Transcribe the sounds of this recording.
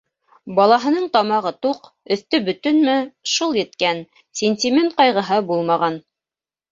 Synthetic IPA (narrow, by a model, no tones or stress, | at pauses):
bɑlˠɑɦɤ̆nɤɴt̪ɑmɑʁɤt̪uq | ɵ̆θt̪ɵbɵ̆t̪ɵnmɘʃulˠjɘ̆t̪kæn | sʲenʲtʲimʲent̪̚qɑjʁɤ̆ɦɤbulˠmɑʁɑn